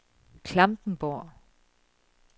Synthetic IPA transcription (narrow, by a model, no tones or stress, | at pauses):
kʰl̥amtn̩bɔ